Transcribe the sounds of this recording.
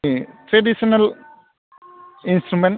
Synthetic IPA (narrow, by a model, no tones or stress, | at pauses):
ʈɾeɖisɐnɐl | insʈɾumen